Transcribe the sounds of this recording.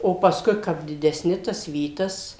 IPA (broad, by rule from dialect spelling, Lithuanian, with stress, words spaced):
oː pɐsˈkʊɪ ˈkɐp dʲɪdʲɛˈsʲnʲɪ tɐs ˈʋʲiːtɐs